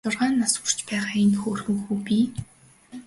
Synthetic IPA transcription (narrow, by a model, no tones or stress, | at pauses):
ʊrʁaːnːasʊr̥t͡ɕpæːʁaːinxoːrɣɘ̆ŋxuːpiː